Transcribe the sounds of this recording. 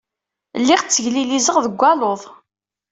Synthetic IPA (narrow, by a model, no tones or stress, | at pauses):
lːiʁt͡sːəʝlilizəʁðəɡʷːæloðˤ